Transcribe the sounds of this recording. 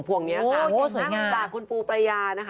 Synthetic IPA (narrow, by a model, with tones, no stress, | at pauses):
pʰu˨˩əŋni˦˥ɐa˥˩˧suː˨˩˦jŋaː˧t͡ɕaː˨˩kkʰːu˧npuː˧pɾa˧jaː˧na˦˥kʰ